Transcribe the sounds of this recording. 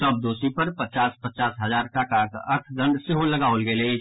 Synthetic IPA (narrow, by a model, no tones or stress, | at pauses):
səb̚d̪oːsipɐɾpət͡ʃaːspət͡ʃaːsɦəzaːɾʈaːkakəɾt̪ʰd̪ə̃ɳɖsɪɦolɐɡaːolɡeleː